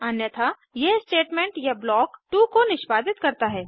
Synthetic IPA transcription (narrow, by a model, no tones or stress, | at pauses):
ɐnjət̪ʰa | jesʈeːʈmẽːɳʈjablɔːkʈukonɪʃbaːd̪ɪt̪kɐɾt̪aɦɛː